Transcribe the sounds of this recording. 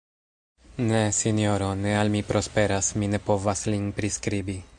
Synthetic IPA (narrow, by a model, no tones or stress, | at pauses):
nesinoɾonealmipɾo̞spe̞ɾasmine̞po̞vaslinpɾiskɾibi